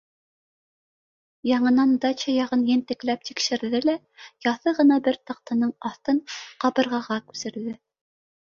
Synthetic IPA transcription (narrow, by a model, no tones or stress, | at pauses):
jɑɴɤ̆nɑnd̪ɑt͡ɕɑjɑʁɤnjɘnt̪ɘ̆klæp̚t̪ikʃɘ̆ɾðɘlæ | jɑθɤʁɤ̆nɑbɘɾt̪ɑq̚t̪ɤ̆nɤɴɑθt̪ɤɴqɑβɤ̆ɾʁɑʁɑkʉ̥sɘ̆ɾðɘ